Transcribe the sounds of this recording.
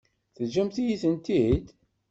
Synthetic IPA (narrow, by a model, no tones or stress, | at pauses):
θəʒæmθijiθənt̪id̪